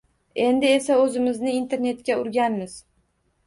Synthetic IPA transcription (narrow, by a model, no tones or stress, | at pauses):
e̞nd̪ɪesaɵzɪmɪznɪint̪ʰe̞ɾne̞t̪kʲaʊɾɡʲanmɪz